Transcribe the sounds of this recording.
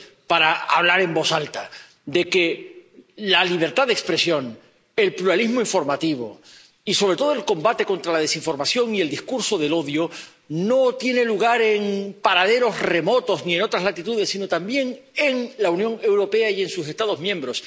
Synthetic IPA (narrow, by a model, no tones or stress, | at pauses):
paɾaaβ̞laɾe̞mbo̞salt̪a | d̪e̞ke | laliβ̞e̞ɾt̪aðekspɾe̞sjo̞ŋ | e̞lpluɾalizmoiɱfo̞ɾmat̪iβ̞o̞̰ | iso̞β̞ɾe̞t̪o̞ð̞oe̞lko̞mbat̪e̞ko̞nt̪ɾalað̞e̞siɱfo̞ɾmasjo̞ŋie̞ld̪ihkuɾso̞ðe̞lo̞ðjo | no̞t̪jene̞luɣ̞aɾe̞ŋpaɾað̞e̞ɾo̞zre̞mo̞t̪o̞znie̞no̞t̪ɾazlat̪it̪uð̞e̞sːino̞t̪ambje̞ŋ | e̞ŋlaunjõ̞ŋe̞wɾo̞pe̞aie̞nsuse̞st̪aðo̞zmjẽ̞mbɾo̞s